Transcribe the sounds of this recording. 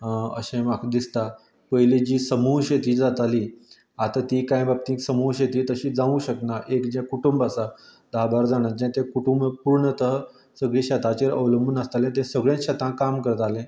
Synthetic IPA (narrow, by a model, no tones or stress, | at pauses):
ə̰ɕẽmakd̪ist̪a | pəɦjled͡ʑiːsəmuɦɕet̪iːd͡zat̪aliː | at̪at̪ikãjbab̚t̪ĩksəmuɦɕet̪iːt̪əɕiːd͡zãũɕəknaʔekd͡ʑɛ̃kuʈumbasa | d̪aɦbaɾd͡zaɽ̃ad͡ʑɛ̃t̪ẽkuʈumbpuɾɳət̪əɦ | səɡɭĩɕat̪at͡ɕeɾə̰ʋləmbʱunəst̪alẽt̪̬ẽsəɡɭjãnɕat̪ãkamkəɾt̪alẽ